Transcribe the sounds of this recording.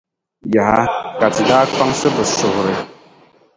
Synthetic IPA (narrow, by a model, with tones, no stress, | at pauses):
ja˨ha˦ka˨tɨ˨daː˦k͡pa˦ŋsɨ˦bɨ˨sʊ˨hʊ˨ɾɨ˨